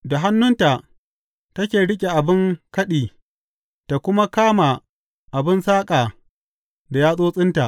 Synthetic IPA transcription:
da˨ɦa˦nːʊ˦nta˨ | tɐ˦kʲeː˨ɽɪ˦kʲʼe˨ʔa˨bɪ˦ŋkɐ˦ɗiː˨ | ta˨kʷʊ˦ma˦kaː˦ma˨ | ʔa˨bɪ˦nsaː˦kʼaː˨ | da˨jaː˦sʼoː˦sʼɪ˦nta˨ʔ

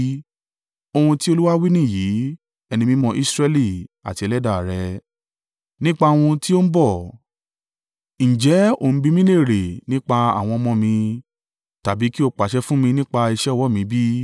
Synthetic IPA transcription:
o˧hũ˧ti˦o˧lu˦wa˦wi˦nĩ˦˨jiː˨˦ | ɛ˧nĩ˧mĩ˦mɔ̃˧ʔi˦sɾɛ˧li˦˨a̰˨ti˨˧ɛ˧lɛ˦da˦˨ɾɛ˧ | nĩ˦k͡pa˧wũ˧ti˦o˦m̩˦bɔ˦˨ | ñ̩˨d͡ʒɛ˨˦o̰˦˨ñ̩˦bi˧mĩ˦le˦˨ɾe˨nĩ˦k͡pa˧a̰˦˨w̃ɔ̃˧mɔ̃˧mĩ˧ | ta˨bi˨˦ki˦o˧k͡pa˨ʃɛ˧˦fũ˦mĩ˧nĩ˦k͡pa˧i˧ʃɛ˦˨wɔ˦˨mĩ˨˧˦bi˦

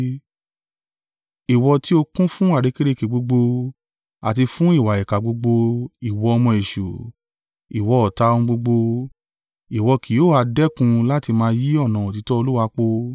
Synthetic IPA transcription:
i˨wɔ˧ti˦o˧kũ˦fũ˦wa˦˨ɾe˨˧ke˦ɾe˦˨ke˨ɡ͡bo˧ɡ͡bo˧ | a˨t̬i˧fũ˦i˦˨wa˨jɛ˨ka˨ɡ͡bo˧ɡ͡bo˧i˨wɔ˧ɔ˧mɔ̃˧e˨ʃu˨ | i˨wɔ˧ɔ˨ta˧˦ũ˦˧ɡ͡bo˧ɡ͡bo˧ | i˨wɔ˧ki˨oː˦a˧dɛ˦kũ˧la˦ti˧mãː˧˦ji˦ɔ˦˨nã˨o˨ti˨˦tɔ˦o˧lu˦wa˧˦k͡po˧

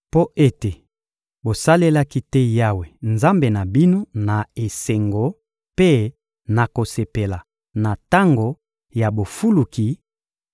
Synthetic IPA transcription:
po˦ʔe˦te˨ | bo˨sa˦le˦la˦ki˦tɛ˦ja˦we˨nza˦mbe˨na˨bi˦no˦na˨e˨se˨ŋɡo˨ | pe˦ | na˨ko˨se˨pe˨la˨ | na˨ta˦ŋɡo˨ | ja˨bo˨fu˦lu˨ki˨

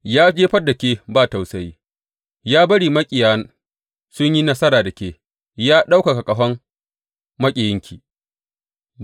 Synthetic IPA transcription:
jaː˦d͡ʒeː˦ɸɐ˦dɐ˨kʲeː˦baː˦˨ta˨wsɐ˦ji˦ | jaː˦bɐ˦ɽiː˨mɐ˦kʲʼɪ˨jaː˦n | sʊ˦ɲji˦nɐ˦sɐ˦ɾaː˨dɐ˨kʲeː˦ | jaː˦ɗa˦wka˨ka˨kʼɐ˨ɸɐ˦m | mɐ˦kʲʼɪ˨jɪ˦ŋkʲʰiː˨

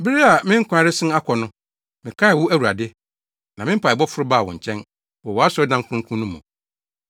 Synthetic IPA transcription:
bi˦ɾi˦a˨mɪ̃˦ŋ̩˦kʰʷʊ˦a˨˦ɾɪ˦sɪ̃˦na˦kʰɔ˨nʊ̃˦ | mɪ̃˨kʰa˦ɪ˨wʊ˦æ˦˨wu˨ɾa˨dɪ˦ | nã˨mɪ̃˦m̩˦pʰa˨ɛ˨bɔ˦fʊ˦ɾʊ˦baː˦˨wɔ̰̃˨ɲ̩˨t͡ɕʰɛ̃˦n | wɔ˨wɔ˨a˦sɔ˦dã˦ŋ˦kʰʊ̃˦ŋ˦kʰũ˦nʊ̃˦mṵ̃˨

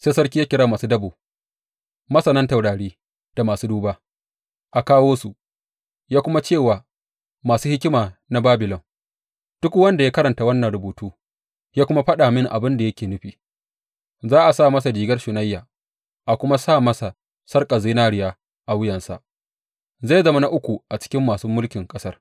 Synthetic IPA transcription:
seː˦sɐ˦rkʲi˦jaː˦kʲɪ˨ɽaː˦maː˨suː˦dɐ˦boː˨ | mɐ˦sɐ˨nɐ˦nta˨wɽaː˨ɽiː˦ | d̥a˨maː˨suː˦duː˦baː˦ | ʔa˨kaː˦woː˦su˨ | jaː˦kʷʊ˦ma˦t͡ʃeː˦˨waː˨ | maː˨suː˦hɪ˦kʲɪ˦maː˨na˨˦baː˦bɪ˨lɔ˨ŋ | d̥ʊ˦kwɐ˦nda˨jaː˦kɐ˦ɾɐ˨nta˨wɐ˦nːɐ˨nɾʊ˨buː˨tuː˦ | jaː˦kʷʊ˦ma˦ɸɐ˦ɗaː˨mɪ˦ŋʔa˨bɪ˦nda˨jɐ˦kʲeː˨nɪ˦ɸiː˨ | zaː˦ʔa˨saː˦˨mɐ˦sa˨diː˨ɡɐ˦rʃʊ˨na˦jːaː˨ | ʔa˨kʷʊ˦ma˦saː˦˨mɐ˦sa˨ | sɐ˦rkʼa˨ziː˦naː˦ɽɪ˦jaː˦ | ʔa˨wʊ˦jɐ˨nsa̰˨ʔ | za˦˨jzɐ˦ma˦na˦ʔʊ˦kʷu˨ʔa˨t͡ʃɪ̥˦kʲɪ˦mːaː˨su˦mʊ˦lkʲɪ˨ŋkʼɐ˦sɐ˦r

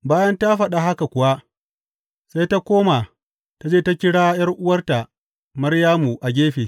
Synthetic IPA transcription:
baː˦jɐ˦nta˦ɸɐ˨ɗa˨ɦa˦ka˨kʷʊ˨wa˦ | sa˦jta˦kʷoː˦ma˨ | ta˦d͡ʒeː˦ta˦kʲɪ˦ɽaː˦jɐ˦rʔʊ˦wɐ˦rta˨ | mɐ˦rjaː˦mu˨ʔa˨ɡʲeː˦ɸeː˨

